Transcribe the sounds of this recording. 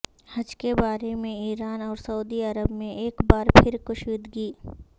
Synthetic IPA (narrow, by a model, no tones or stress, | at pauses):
hɐd͡ʒkebaːɾemẽiːɾaːnɔːɾsɐuːd̪iɐɾəbmẽʔeːkbaːɾpʰɪɾkʊʃwiːd̪ɡiː